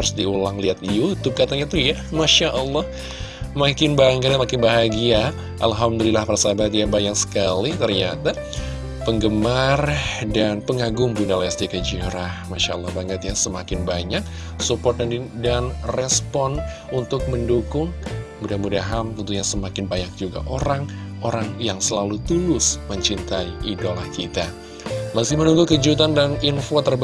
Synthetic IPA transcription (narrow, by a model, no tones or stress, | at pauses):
aɾʊsdiulaŋliɦat̪jut̪ʊp̚kat̪aɲat̪ujamaʃaʔəlˠːɔh | makɪnbaŋət̪səmakɪnbaɦaɡia | ʔa̰lɦamdulilahpaɾasaabat̪jabajaŋsə̥kalit̪ərɲat̪a | pəŋɡəmardanpəŋaɡʊŋbundalaast̪ikəd͡ʒiɾahmaʃaəlˠːɑhbaŋət̪̚ɲasəmakɪnbaɲak̚ | supɔrt̪̚andanrɛspɔnunt̪ʊk̚məndukʊŋmudahmudaɦamt̪ənt̪uɲasəmakɪnbaɲak̚d͡ʒuɡa̰ʔoɾaŋoɾaŋjaŋsəlalut̪ulʊsməɲt͡ʃint̪aiʔidolahkit̪a | masɪhmənuŋɡukəd͡ʒut̪̬andaninfot̪ərb